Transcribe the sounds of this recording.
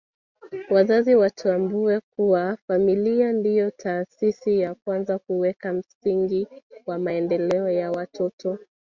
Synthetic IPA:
wazaziwatʰambuɛkuwafamiliandijɔtʰaːsisijakwanzakuwɛkam̩siŋɡiwamaɛndɛlɛɔjawatʰɔtɔ

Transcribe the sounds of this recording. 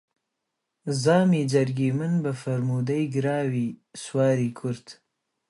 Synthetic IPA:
zɑːmid͡ʒaɾɡimənbafaɾmud̪ajɡɾɑːwiswɑːɾikʰʊɾt̪

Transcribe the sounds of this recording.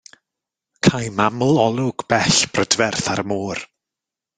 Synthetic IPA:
kʰajmamlˠɔlˠʊɡ̥b̥ɛɬb̥rədvɛrθaɾmoːr

